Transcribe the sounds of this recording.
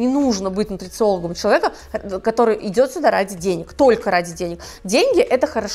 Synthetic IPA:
nʲɪnuʐnəbɨtʲvnʊt̪ʲɾʲɪt̪sɨo̞lˠəɡəmt͡ɕɪlˠɐvʲekə | kɐt̪o̞ɾɨjʔɪdʲo̞t̪sʲʊd̪aɾadʲɪdʲenʲɪkt̪o̞lʲkəɾadʲɪdʲenʲɪk | dʲenʲɡʲɪʔɛt̪əxəɾɐʂ

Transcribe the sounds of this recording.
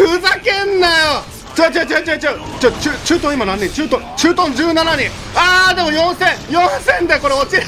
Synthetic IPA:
ɯ̟zakẽnːajo | t͡ɕat͡ɕat͡ɕat͡ɕat͡ɕat͡ɕat͡ɕɨːt͡ɕɨːt̪õimanãnɲːẽt͡ɕɨːt̪õt͡ɕɨːt̪õɲd͡ʑɨːnanaɲĩ | aːd̪e̞mo̞jõɰ̃sẽ̞ɰjõɰ̃sẽnd̪eko̞ɾeot͡ɕi

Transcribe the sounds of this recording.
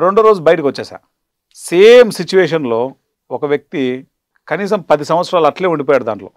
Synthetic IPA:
ɾe̞ɳɖuɾo̞ːd͡ʒubɐjʈɐkʋɐt͡ʃːaːsa̰ːɾ | seːmsit͡ʃuʋeːʂ̬ɐnlo̞ː | ɔkɐʋjɐk̚t̪i | kɐniːs̬ɐmpɐd̪isɐm̃ʋɐt̪sɾaːlɐʈleːuɳɖip̬oːjaːɽud̪a̰ːɳʈlo̞̰ː

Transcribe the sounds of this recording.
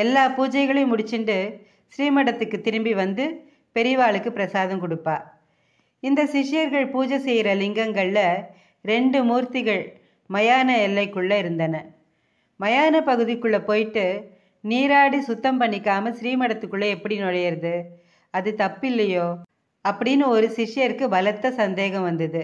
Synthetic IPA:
ɛlːaːpuːd͡ʒɐɪɣɐɭɐmʊɽɪt͡ʃːɪnɖɯ | sɪɾiːmɐɽɐt̪ːɯkːɯt̪ːɪɾɯmbiʋɐnd̪ɯ | pɛɾɪʋaːɭɯkːɯpːɪɾɐsaːðɐmkɔɽɯpːaː | ɪnd̪ɐsɪʂɪjɐɾɣɐɭpuːd͡ʒɐsɛjɪɾɐlɪŋɡɐŋɡɐɭlɐ | ɾɛɳɖɯmuːɾt̪ɪɣɐɭ | mɐjaːnɐɛlːɐɪkːɯɭːɐɪɾɯnd̪ɐnɐ | mɐjaːnɐpɐɣɯðɪkːɯɭːɐpoːjʈːɯ | niːɾaːɽisʊt̪ːɐmpɐɳːɪkːaːmɐsɾiːmɐɽɐt̪ːɯkːɯɭːɐɛpːɐɽinɔɭɐjɐɾɐðɯ | ɐðɯt̪ɐpːɪlːɐjoː | ɐpːɐɽɪnːɯɔɾɯsɪʂɪjɐɾkɯbɐlɐt̪ːɐsɐnd̪eːɣɐ̃mʋɐnd̪ɐðɯ

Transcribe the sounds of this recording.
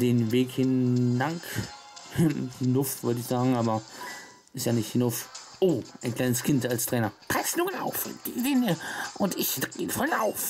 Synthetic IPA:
d̥enveːkhɪnːaŋk | nʊftvɪəd̥içsaːɡŋ̩aːbɐ | ɪsjanɪçtnof | ʔoʔaɪnkʰlaɪnəskʰɪndalstʰʁ̥ɛːnɐpʰʁ̥ɛsnuːəna̰ʊfd̥idenəʔʊnɪçd̥ʁenfɔlnaʊf

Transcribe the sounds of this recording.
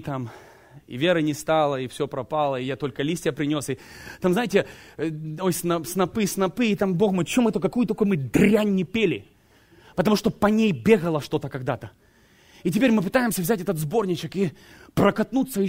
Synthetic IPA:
t̪am | ḭvʲeɾɨnʲɪst̪alˠəɪfsʲopɾɐpalˠəɪjat̪o̞lʲkəlʲisʲtʲɪjəpɾʲɪnʲo̞sɪt̪amznajɪtʲɪ | ojsnɐsnɐpɨsnɐpɨːt̪ambo̞xmojt͡ɕːomɨt̪okɐkujʊt̪ɐkojmɨd̪ɾʲanʲːɪpʲelʲɪ | pət̪ɐmuʂt̪opɐnʲejbʲe̞ɣəlˠəʂt̪o̞t̪əkɐɡ̚d̪at̪ə | ɪtʲɪpʲeɾʲmɨp̬ɨt̪ajɪmsʲəvzʲætʲɛt̪ət̪zbo̞rnʲɪt͡ɕɪkipɾəkɐt̪nut̪sːəɪ

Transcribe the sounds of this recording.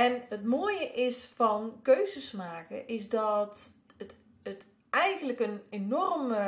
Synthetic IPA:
ɛnətmoəjəʔɪsfɔnkøːzəsmaːkə̰ʔɪsdɔt | ət | ət | ɛjɣən̩ləkənenɔrmə

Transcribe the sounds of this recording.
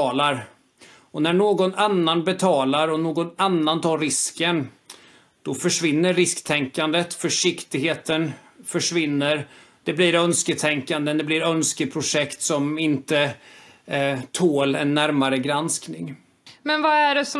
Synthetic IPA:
ɑːlaɾ | ɔnæɳoːɡɔnanːanbɛt̪ʰɑːlaɾɔnoːɡɔnanːant̪ʰɑːɾɪskən | d̪̥ɔfœʂvɪnːəɾːɪskt̪ʰɛŋkand̪ət̪fœʂɪkt̪ɪɡɦeːt̪ən | fœʂvɪnːəɾd̪̥ɛblɪɾœnskət̪ʰɛŋkand̪ənd̪ɛblɪɾœnskəpʰɾʊʂɛkt̪sɔmɪnt̪ə | t̪ʰoːlɛnːæɾmaɾəɡɾansknɪŋ | mɛnvaæɖɛs

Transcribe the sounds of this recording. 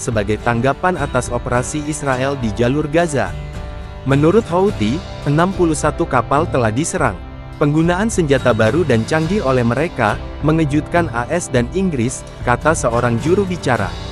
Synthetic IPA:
səbaɡajt̪aŋɡapanat̪asopəɾasiːsɾaʔɛldid͡ʒalurɡaza̰ | mənuɾʊt̪̚haut̪i | ʔənampulusat̪ukapalt̪əlahdisəɾa̰ŋ | pəŋɡunaʔansəɲd͡ʒat̪abaɾudant͡ʃaŋɡiolɛhməɾeka | məŋəd͡ʒut̪̚kanaʔɛsdaniŋɡɾɪs | kat̪asəoɾaŋd͡ʒuɾuhbit͡ʃaɾa̰

